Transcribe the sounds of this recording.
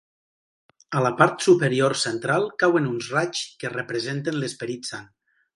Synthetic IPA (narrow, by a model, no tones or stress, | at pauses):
ələpaɾt̪supeɾioɾsent̪ɾalˠkawenunzrat͡ʃkerəpɾezent̪enlespəɾit̪san